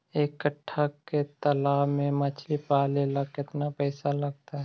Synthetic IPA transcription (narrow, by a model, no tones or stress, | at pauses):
ekːəʈʰːakːet̪ɐlaːmẽmɐt͡ʃʰlipaːleːlakɪt̪napɛːsalɐɡ̚t̪aɦɛ